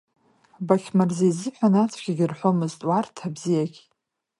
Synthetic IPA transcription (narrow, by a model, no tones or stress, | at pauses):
bakʲʰmarzejzɨħʷᶣanat͡sʷʰɡʲiɡʲɪrħʷo̞mɨztʼwartʰabzijaɡʲ